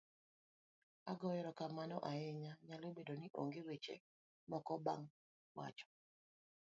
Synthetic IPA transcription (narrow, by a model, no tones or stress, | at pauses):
aɡɔjɛɾɔkamanɔʔaɛɲaɲalobedoniʔo̰ŋɡewet͡ʃḛ | mɔkɔbaŋ | wa̰t͡ʃɔ̥